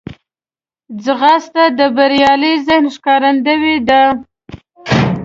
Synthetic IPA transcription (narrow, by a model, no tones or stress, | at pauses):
d͡zɣɑst̪ad̪əbaɾjɑləjzɪhnʃkɑɾand̪əwid̪a